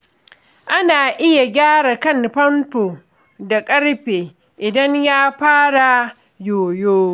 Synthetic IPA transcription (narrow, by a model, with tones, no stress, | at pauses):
ʔa˦naː˨ʔɪ˦ja˨ɡʲaː˦ɽa˨kɐ˦˨nɸɐ˦mtoː˨ | da˨kʼɐ˦ɽɸeː˨ | ʔɪ˨dɐ˦ɲjaː˦ɸaː˦ɽa˨ | joː˨joː˦